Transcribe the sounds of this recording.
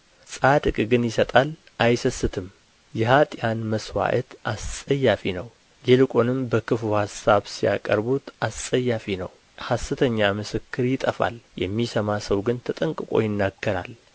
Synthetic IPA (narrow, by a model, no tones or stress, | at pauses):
sʼad̪ɨkʼɨɡɨnjɪsət̪ʼal | ʔajsəsːɨt̪ʰɨm | jɛhat̪ʼjanməswa̰ʔə̰t̪ʔastʼəjːafinəw | jɛlɨkʼo̞nɨmbəkʰɨfuhasːaβsija̰kʼəɾbut̪asʼəjːafinəw | hasːɨt̪ʰəɲːamɨsɨkːɨɾjɪt̪ʼəfa̰ljɛmːisəmasəwɡɨnt̪ʰət̪ʼəŋkʼɨkʼo̞̰jɪnːaɡːəɾa̰l